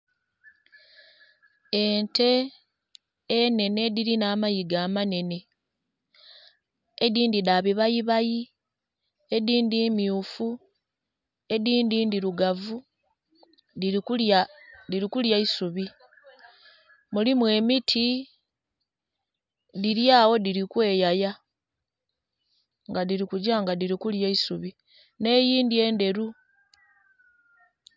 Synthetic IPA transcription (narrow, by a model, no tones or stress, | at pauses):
e̞nte̞ | ne̞ne̞diɾinaːmajiɡaːmane̞ne̞ | ediːndidaβiβajiβaji | e̞diːndiːmjuːfu | e̞diːdiːndiɾuɡavu | diadiɾikuljaisuβi | mulimwe̞ːmitʰi | diɾjaːwo̞diɾikwe̞ːjaja | ŋɡadiɾikuɟaːŋɡadiɾikuljaisuβi | ne̞ːjiːndie̞ːnde̞ɾu